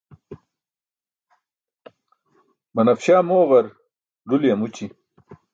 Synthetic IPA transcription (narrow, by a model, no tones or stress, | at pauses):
mɐnɐfɕaːmoːʁɐɾ | ɖuljɐmut͡ɕi